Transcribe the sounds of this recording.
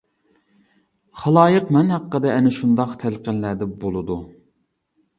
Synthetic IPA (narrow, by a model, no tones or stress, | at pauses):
χɑlˠɑːjəqmɛnhæqːəd̪ɛʔɛnɪʃund̪ɑqt̪ʰælqəllæd̪ɪp̚bolˠɨd̪u